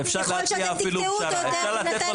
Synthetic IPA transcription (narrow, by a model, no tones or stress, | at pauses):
efʃaʁleiaːfiluʃaefʃaʁlat̪et̪a